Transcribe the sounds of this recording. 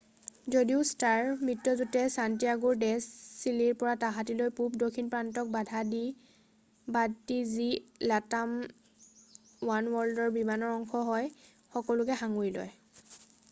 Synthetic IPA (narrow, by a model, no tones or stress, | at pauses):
zodiʊstaɹmɹitːɔzutɛsantijaɡuɹdɛsːiliɹpɔɹataɦatilojpup̚dokʰinpɹantɔk̚badʱadi | batizilatam | wanwɔldɔɹbimanɔɹɔŋxɔɦɔj | xɔkɔlʊkɛxaŋujlɔ̰j